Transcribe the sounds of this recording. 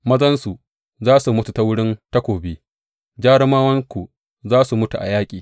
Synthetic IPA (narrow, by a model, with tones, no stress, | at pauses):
mɐ˦zɐ˦nsu˨ | zaː˦su˨mʊ˦tu˨ta˦wʊ˦ɽɪ˦nta˦kʷoː˨beː˦ | d͡ʒaː˦ɽɪ˦maː˦wɐ˦ŋkʷu˨ | zaː˦su˨mʊ˦tu˨ʔa̰˨jaː˦kʲʼiː˨